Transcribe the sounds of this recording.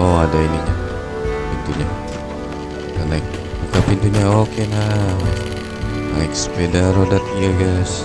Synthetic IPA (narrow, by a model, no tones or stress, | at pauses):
oadainina | pint̪uɲa | kanak̚ | dukapint̪uɲaokena | aikspedaɾodat̪̚ɡaɡajs